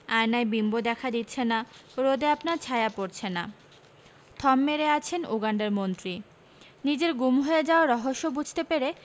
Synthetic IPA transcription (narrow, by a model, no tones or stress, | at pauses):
ajnaebimbod̪ɛkʰad̪it̪ːɕʰenːaɾod̪eapnaɾt͡ɕʰajapoɾt͡ɕʰenːa̰ | t̪ʰɔmːeɾeat͡ɕʰenuɡaɳɖaɾmont̪ɾi | nid͡ʑeɾɡumɦoed͡ʑaoɾɔɦoʃːobud͡ʑʱt̪epeɾe